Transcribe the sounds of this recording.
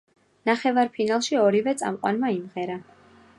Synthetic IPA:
naχɛvaɾpʰinalˠʃiɔɾivɛt̪sʼa̰mqʼwa̰nmaimʁɛɾa

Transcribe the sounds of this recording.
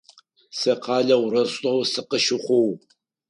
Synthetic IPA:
sɐqʰɑːɮɐwrɐɕʷʼɐwsɨqəʃɪχʷow

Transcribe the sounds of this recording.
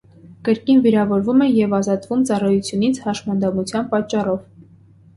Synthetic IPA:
kəɾkinviɾɑvɔɾvumɛjɛvɑzɑt̪vumt͡sɑrɑjut͡sʰjunit͡sʰhɑʃmɑnd̪ɑmut͡sʰjɑnpɑt͡ʃːɑrɔv

